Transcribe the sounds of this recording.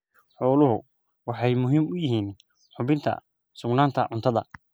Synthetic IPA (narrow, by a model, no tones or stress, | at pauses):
ħɔːlʊɦʊ̰ | wɑħɑjmʊɦiːmʊjɪɦiːn | ħʊβɪnt̪ʰɐ̰ | sʊɡnaːnt̪ʰɐʕʊnt̪ʰɐðɐ̰